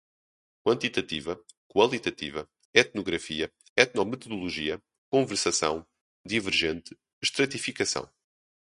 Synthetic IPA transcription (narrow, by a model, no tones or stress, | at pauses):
kwɐ̃nt̪it̪ɐt̪ivɐ | kwɐlˠit̪ɐt̪ḭvɐ | ɛt̪̚nuɣɾɐfiɐ | ɛt̪nɔmɨt̪uðulˠuʒiɐ | kõvɨɾsɐsɐ̰̃w̃ | d̪ivɨɾʒẽnt̪ɨ | ʃt̪ɾɐt̪ifikɐsɐ̰̃w̃